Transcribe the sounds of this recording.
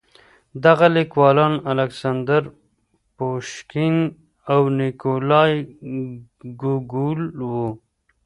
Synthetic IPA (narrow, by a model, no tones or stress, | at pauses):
d̪aɣalikwɑlɑnalaksand̪aɾ | poʃkin | awnɪkolɑj | ɡuɡulwu